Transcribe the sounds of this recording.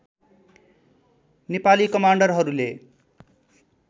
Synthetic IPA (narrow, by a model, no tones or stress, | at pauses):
nepalikʌmaɳɖʌrɦʌɾule